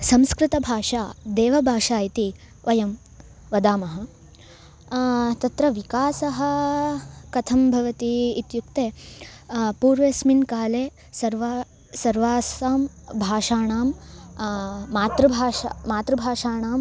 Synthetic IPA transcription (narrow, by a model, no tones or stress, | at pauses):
sɐmskɾɪt̪ɐbʱaːʂaːd̪eːʋɐbʱaːʂaːjit̪i | ʋʔɐjɐm | ʋɐd̪aːmɐɦɐ̆ | t̪ɐt̪ɾɐʋikaːsɐɦɐ̆ | kɐt̪ʰɐmbʱɐʋɐt̪iːt̪jukt̪eː | puːɾʋesminkaːleː | sɐɾʋaː | sɐɾʋaːsaːm | bʱaːʂaːɳaːm | aːt̪ɾɐbʱaːʃa̰maːt̪ɾɐbʱaːʂaːɳaːm